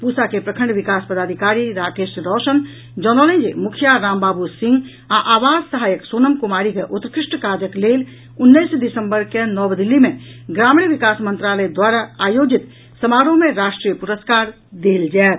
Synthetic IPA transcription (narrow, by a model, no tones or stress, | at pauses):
pusakepɾəkʰə̃ɳɖʋɪkaːspəd̪aːd̪ʱikaːɾiɾaːkeːʃɾɔːʃən | d͡ʒɔnɔlẽnd͡ʒemʊkʰjaɾãːmbaːbusɪ̃ŋɡ | aʔaːʋaːd͡ʒsəɦaːjəksoːnəmkumaːɾikeʔʊt̪ɾəkɾɪʂʈkaːd͡ʒəkleːl | ʊnːəjsd̪ɪsə̃mbəɾkenɔːbd̪ɪlːimẽɡɾaːmɳʋikaːsmə̃nt̪ɾaːləjd̪waːɾaaːjoːd͡ʒit̪ | səmaːɾõmẽɾaːʃʈɾiːjəpuɾəskaːɾ | d̪eːld͡ʒaːt̪